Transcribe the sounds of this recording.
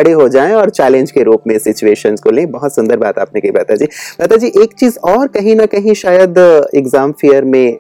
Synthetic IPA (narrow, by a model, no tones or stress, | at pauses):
ɐɽeɦod͡ʒaːẽɔːɾt͡ʃɛːlẽnd͡ʒkeɾuːpmẽsɪt͡ʃueːʃənzkolẽːbɐɦʊt̪sɐ̃nd̪əɾbaːt̪a̰ːp̚nekebɛ̰t̪ad͡ʒiːbəːt̪ad͡ʒiːʔeːkt͡ʃiːzɔːɾkɐɦĩnɐkɐɦĩʃaːjəd̪ɪɡzaːmfijəɾmẽ